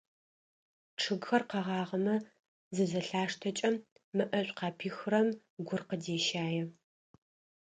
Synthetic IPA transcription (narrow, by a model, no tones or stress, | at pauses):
ʈ͡ʂʰɨɡxɐrqɐʁɑːʁɐmɐ | zɨzɐɬaːʂtʰɐt͡ʃʼɐmː | ɨʔɐɕʷʼqɑːpʰiːxrɐm | ɡʷʊrqədeːʃaːjɛ